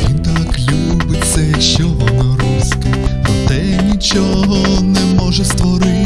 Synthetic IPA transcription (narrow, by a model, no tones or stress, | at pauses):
ʋʲint̪aklʲubɪt̪sɛ | ʃt͡ʃɔɦɔnɔɾuskɐɐt̪ɛ | nʲit͡ʃɔ | ɦɔnɛmɔʒɛst̪ʋɔɾɪ